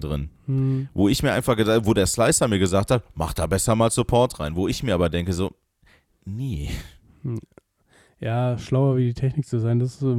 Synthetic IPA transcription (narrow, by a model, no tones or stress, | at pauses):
dʁɪn̩voːɪçmiːɐaɪnfaχɡ̥əzavoːdeːɐslaɪsɐmiːɐɡəzaːk̚thatma̰χd̥aːbɛsɐmaːlsupʰɔɐtʁ̥aɪnvoːɪçmiːɐaːbɐdɛŋkəzoː | neː | jaːʃlaʊɐviːdiːtʰɛçnɪk̚t͡suzaɪndas